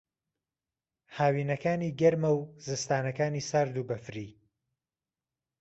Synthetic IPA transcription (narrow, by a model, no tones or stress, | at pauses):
haːwiːnɐkaːniːɡɐɾmɐwzɨst̪aːnɐkaːniːsaɾd̪uːbɐfɾiː